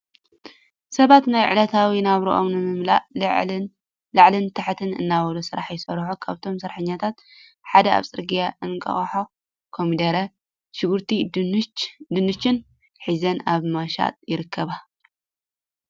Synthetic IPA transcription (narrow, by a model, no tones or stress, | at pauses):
sɐβat̪najʕɨ̰lɐt̪ʰawinaβɾḭʔo̰mnɨmɨmla̰ʔʕ | lɨʕlɨnt̪ʰaħt̪ʰɨnɨ̰nːawɐlusɨɾaħjɪsɐɾħokʰaβt̪ʰo̞msɐɾħɨɲːat̪ʰat̪ | ħad̪ɐa̰βsʼɨɾɡijaʔɨnkʼɐ̰xʼħo | kʰomid̪ɐɾɐ | ʃɪɡuɾt̪ʰi | d̪ɨnɨt͡ʃːɪn | ħizɐnaβmaʃa̰t̪ʼjɪɾɨkʰːɐβa